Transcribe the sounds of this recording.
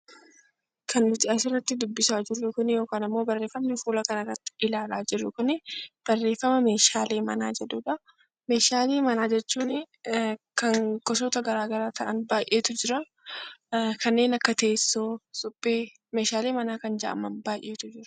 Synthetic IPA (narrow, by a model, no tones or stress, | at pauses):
kɐnːʊt̪ɪɐsɪrːɐt̪ːɪd̪ʊbːɪsaːd͡ʒɪrːʊkʊnɪjo̞ːkaːnɪmːoːbɐrːe̞ːfːɐmnɪfuːlɐkɐnɐɾɐt̪ːɪ̥ʔɪlaːlaːd͡ʒɪrːʊkʊnɪb̥ɐrːe̞ːfːɐmɐme̞ːʃaːleːmɐ̰na̰ːd͡ʒɛᶑuᶑɐ | me̞ːʃaːleːmɐnaːd͡ʒɛt͡ʃːuːnɪ | kɐŋkʼɔsɔːt̪ɐɡɐɾaːɡɐɾaːt̪ɐʔɐnbaːjʔeːt̪ʊd͡ʒɪɾɐ | kɐnːe̞ːnɐkːɐt̪eːsːoːsʊpʼːeː | me̞ːʃaːle̞ːmɐnaːkɐnd͡ʒɐʔɐ̰mɐnbaːjʔːe̞ːt̪ʊd͡ʒɪɾʊ̥